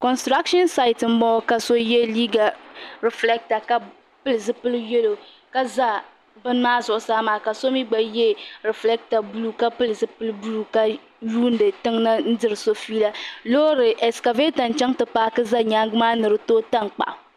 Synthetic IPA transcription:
kɔ˨nstɾa˦kʃɔ˦nsa˦ɪ˨tm̩˦bɔ˦ka˨so˦jɛ˦liː˦ɡa˨ɾɛ˨flɛ˦k̚ta˨ka˦ | pɨ˦lɨ˨zɨ˦pɨ˦lɨ˦jɛ˦lo˨ | ka˦za˦ | bɨ˦n˦maː˦zʊ˦ʔʊ˦saː˦maː˨ka˨so˦mi˦ɡ͡ba˦jɛ˦ɾɛ˨flɛ˦k̚ta˨bu˦lu˦ka˦pɨ˦lɨ˨zɨ˦pɨ˦lɨ˦bu˦lu˦ka˦ | ju˦n˦dɨ˨tɨ˦ŋna˦n̩˦dɨ˦ɾɨ˨so˦fiː˦la˦lo˦ɾɨ˨ʔɛ˨ska˨veː˦ta˨n˨t͡ʃɛ˦ŋtɨ˨pa˦kɨ˦za˦ɲaː˦ŋɡɨ˦maː˦nɨ˨ɾɨ˦toː˦ta˦ŋk͡pa̰˨ʔ

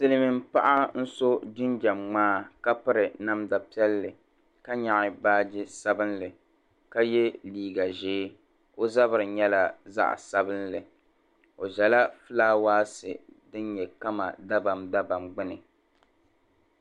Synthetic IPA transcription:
sɨ˦lɨ˦mɪ˨m˦pa˦ʔa˦n̩˦so˦d͡ʒɪ˦nd͡ʒa˨mŋ͡maː˦ka˦pɨ˦ɾɨ˨na˦mda˨pi˦ɛ˦lːɨ˨ | ka˦ɲa˨ʔɪ˨baː˦d͡ʒɪ˦sa˦bɨ˦nlɨ˨ | ka˦jɛ˦liː˦ɡa˨ʒeː˦ | o˦za˦βɨ˨ɾɨ˨ɲɛ˦la˦za̰˦ʔsa˦bɨ˦nlɨ˨ | o˨ʒɛ˨la˦fɨ˦laː˦waː˦sɨ̰˨dɨ˦nɲɛ˨ka˦ma̰˨da˦ba˨mda˦ba˨mɡ͡bɨ˦nɨ˨

